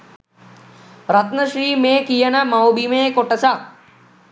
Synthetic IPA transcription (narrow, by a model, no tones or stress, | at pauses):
ɾɐt̪nəʃɾiːmẽːkijənɐmɐobimẽːkoʈɐsa